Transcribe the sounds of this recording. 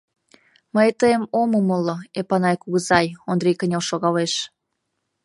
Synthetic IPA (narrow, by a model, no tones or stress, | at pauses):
məjt̪əemoməməloepɑnɑjkuɣəzɑjond̪rijkənʲelʃoɣɑleʃ